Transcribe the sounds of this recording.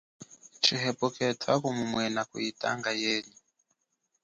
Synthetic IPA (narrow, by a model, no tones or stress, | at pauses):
t͡ʃʰiɦɛpɔkʰʼɛtʰwakumumwɛnakṵitʼa̰ŋɡajeːɲu